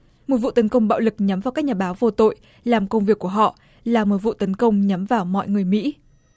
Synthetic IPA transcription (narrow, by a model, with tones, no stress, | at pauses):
mo˨˩t̚vṵ˧˨t̪ə˨˦nkə˧wŋ͡mɓa̰ː˧˨wlɨ˨˩k̚ɲa˨˦mvaː˨˩wkaː˦˥k̚ɲaː˨˩ɓaː˨˦wvo˧t̪o̰˧˨j | laː˨˩mkə˧wŋ͡mvi˨˩əkːu˧˩əɦɔ̰˧˨ | laː˨˩mo˨˩t̚vṵ˧˨t̪ə˨˦nkə˧wŋ͡mɲa˨˦mvaː˨˩wmɔ̰˧˨jŋɨ˨˩əjmḭ˧˥